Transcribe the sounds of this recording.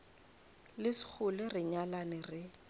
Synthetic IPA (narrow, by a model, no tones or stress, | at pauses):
lɪsɪ̥k͡xʰʊlɪrɪɲalanɪrɪ